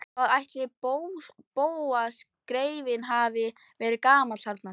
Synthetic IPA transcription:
aðajht̪lɪpow | poːwas | kɾeːjvɪnɦaːvɪ | vɛːɾɪkaːmḁaɾt̪nḁ

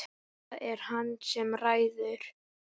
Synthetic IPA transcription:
ɛɾ̥hanːsɛmraːjðʏɾ̥

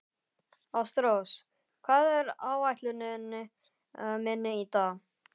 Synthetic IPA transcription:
awst̪ɾows | kʰv̥aːðɛɾaːwajht̪lʏnʏnːʏ | mɛnːɪit̪a

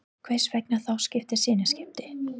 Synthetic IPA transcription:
kʰv̥ejsvɛknaθawscɪft̪ɪ̥sɪːnascɪft̪ɪ̥

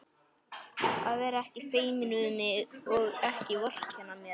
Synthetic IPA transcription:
aðvɛɾɛhcɪfeːjmɪnʏðʏmɪðɔɣɛhcɪvœr̥cʰɛnːamjɛɾ

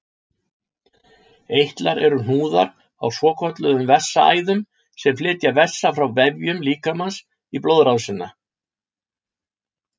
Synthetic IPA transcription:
ejht̪laɾʔɛɾʏn̥uːða̰ɾ | a̰wswɔːkʰɔt̪lʏðʏmvɛ̥sːaa̰ːjðʏm | sɛmflɪːt̪javɛ̥sːafɾawvɛvjʏmliːkamans | iplowðɾawsɪnːa

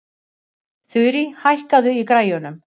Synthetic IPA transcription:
θʏɥɾihajhkaðʏikɾaːjʏnʏm

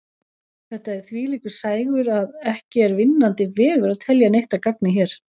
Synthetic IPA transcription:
θɛht̪aɛθviːliːkʏ̥saːjɣʏɾaðɛhcɪɛɾvɪnːant̪ɪvɛːɣʏɾaðt̪ʰɛljanejht̪akak̚nɪçɛːɾ̥

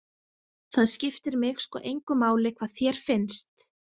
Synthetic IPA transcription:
θaðscɪft̪ɪɾmɪxskɔ̰ʔejŋkʏmaːwlɪkʰvaðθjɛɾ̥fɪnst̪

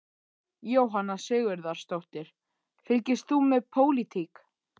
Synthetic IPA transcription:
joːwɦanːasʏːɣʏɾðaɾ̥st̪owht̪ɪɾ̥ | fɪlcɪst̪θumɛðpʰoːwlit̪ʰik

